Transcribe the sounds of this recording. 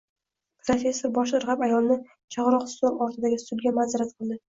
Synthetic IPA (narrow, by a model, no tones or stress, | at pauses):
pʰɾofʲe̞sːoɾbɒʃ̬ʊɾʁɑpajɒlˠnɪ | t͡ʃʰɑʁɾɒqst̪oɾɒɾt̪ʰɪd̪aɡʲɪst̪ʊd̪ɡʲamanzaɾat̪̚qʰɨlˠd̪ɪ